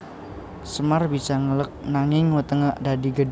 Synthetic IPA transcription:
səmarbisaŋələk̚naŋɪŋwət̪əŋəʔdadiɡəd

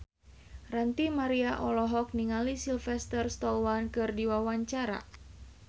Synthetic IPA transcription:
rant̪imaɾiaʔɔlɔɦɔk̚niŋalisilfɛst̪ərst̪ɔwankɨrdiwawaɲt͡ʃaɾa̰

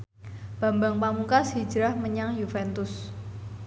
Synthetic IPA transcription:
b̥a̤mbaŋpamuŋkashi̥d͡ʒɾahməɲaŋjufɛnt̪ʊs

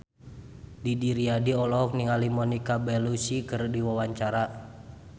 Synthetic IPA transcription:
didiɾiadiɔlɔɔk̚niŋalimɔnikabɛlusikɨrdiwawaɲt͡ʃaɾa

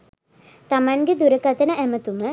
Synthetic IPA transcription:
t̪amaŋɡed̪uɾəkat̪ənəʔæmət̪umə

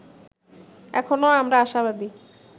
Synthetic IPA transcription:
ɛ̰kʰonoamɾaaʃaβad̪i

